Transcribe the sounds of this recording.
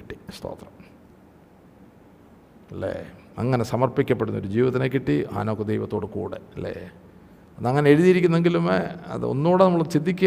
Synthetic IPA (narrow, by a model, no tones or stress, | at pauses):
ʈːi̥st̪o̰ːt̪rɐm | ɐlːḛ | ɐŋːɐnesɐmɐrpikʲːɐpːeɽunːɐo̞ɾud͡ʑiːʋɐðɐnek̬ːiʈːia̰ːnoːkːed̪ejʋɐt̪ːoːɽɨkṵːɽḛɐlːḛ | ɐðɐŋːɐneeɻuðijiɾikʲːunːe̞ŋɡilumeɐ̰ðɨ̰o̞̰nːuːɽenɐmːuɭoðt͡ɕid̪ʱːikʲː